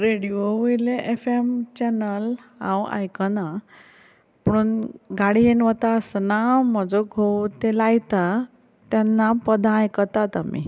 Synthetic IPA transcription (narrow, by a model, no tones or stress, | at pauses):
ɾeɽioʋejleʔefemt͡ɕɛnəlã̰wa̰jkəna | pəɽ̃unɡaɽienʋət̪asnam̤əd͡zoɡʱowt̪elajt̪a | t̪anːapəd̪ʱãjkət̪at̪amḭ